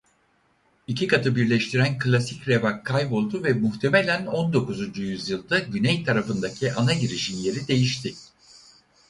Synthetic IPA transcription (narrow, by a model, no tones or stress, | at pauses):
icʰikat̪ʰɯbiɾlʲɛʃt̪ʰiɾænkʰɯlʲˠasicɾe̞vakʰːajbo̞lˠd̪uvɛmuht̪ʰe̞melʲæno̞nd̪o̞kuzund͡ʒujyzjɯlˠd̪aɟynɛjt̪ʰaɾafɯnd̪acʰiʔanaɟiɾiʃinje̞ɾid̪e̞jiʃt̪ʰɪ